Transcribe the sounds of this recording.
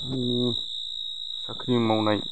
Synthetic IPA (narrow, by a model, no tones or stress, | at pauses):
ii | sakʰɾimawnaj